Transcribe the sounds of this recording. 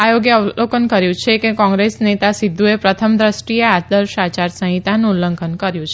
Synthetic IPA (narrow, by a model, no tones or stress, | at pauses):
ajoɡjəlokənkəɾjũt͡ʃʰekekɔ̃ŋɡɾesnet̪asid̪ʱːuepɾət̪ʰəmd̪ɾəsʈiead̪əɾʃat͡ʃaɾsə̃ɦĩt̪anũlə̃ŋkʰənkəɾjũt͡ʃʰe